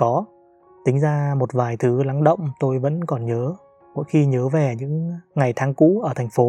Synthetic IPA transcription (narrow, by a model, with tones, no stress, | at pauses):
kɔ˨˦ | t̪ï˨˦ŋ̟zaː˧mo˨˩t̚vaː˨˩jt̪ʰɨ˨˦la˨˦ŋɗə̰˧˨wŋ͡mt̪o˧jvə̰˧˥nkɔ˨˩nɲəː˨˦ | mo̰˧˥jxi˧ɲəː˨˦vɛ˨˩ɲɨ̰˧˥ŋŋa˨˩jt̪ʰaː˨˦ŋkṵ˧˥ʔəː˧˩t̪ʰa˨˩ŋ̟fo˨˦